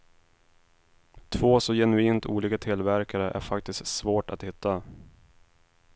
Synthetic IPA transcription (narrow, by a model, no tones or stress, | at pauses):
t̪ʰvoːsɔjɛnɵiːnt̪ʰṵːliːkat̪ʰɪlvæɾkaɾəʔæ̰ɾfak̚t̪ɪstsvoːʈat̪hɪt̪ʰːa